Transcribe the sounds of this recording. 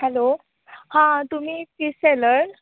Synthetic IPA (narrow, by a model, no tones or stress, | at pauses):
hɛlo | hãt̪um̤iːpiseləɾ